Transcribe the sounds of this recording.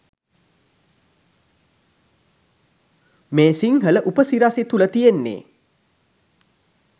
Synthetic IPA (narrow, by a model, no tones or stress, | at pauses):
meːsiŋhələʔupəsiɾaset̪ulət̪ijenːḛː